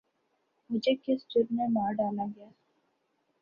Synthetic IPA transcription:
mʊd͡ʒʱekesʈuɖnemaːɖaːlaɡɐjaː

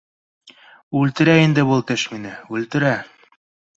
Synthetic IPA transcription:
ʉlt̪ɘ̆ɾæind̪ɘbulˠt̪ɘʃminɘʉlt̪ɘ̆ɾæ

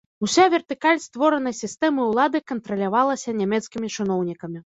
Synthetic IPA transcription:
usʲavʲɛrt̪ɨkalʲst̪vɔɾɐnɐjsʲist̪ɛmɨuwlˠad̪ɨkɐnt̪ɾɐlʲavalˠɐsʲɐnʲamʲɛt̪skʲimʲit͡ʂɨnɔwnʲikɐmʲi

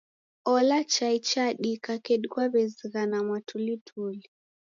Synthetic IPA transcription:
ɔlat͡ʃait͡ʃaɗikakɛɗikwaβɛziɣanamwatʰulitʰuli

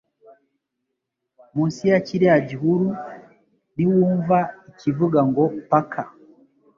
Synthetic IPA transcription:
musiat͡ʃiɾiad͡ʒiɦuɾu | niwuɱvaikivuɡaŋɡɔpakʰa

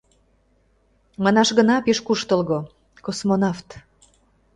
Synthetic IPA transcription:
mɑnɑʃɣənɑpeʃkuʃt̪ə̆lɣo | kosmonɑft̪

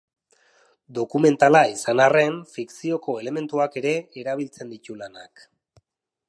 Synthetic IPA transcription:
d̪o̞kume̞nt̪alaisanare̞ɱfiksio̞ko̞ele̞me̞nt̪uake̞ɾe̞ːɾaβ̞ilt͡se̞nd̪it̪ulana̰k

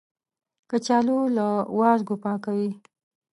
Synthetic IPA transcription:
kət͡ʃɑlolawɑzɡopɑkawi

